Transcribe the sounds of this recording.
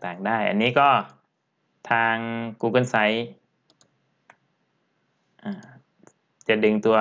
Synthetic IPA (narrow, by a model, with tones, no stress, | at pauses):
t̪aː˨˩ŋdaː˥˩jʔa̰˨nːiː˦˥kɔː˧˥˩ | t̪ʰaː˧ŋkuː˧˩kɯ˧˥˨nsa˨˦j | ʔaː˧˩ | t͡ɕa˧˩dɯ˧ŋt̪u˧ɐ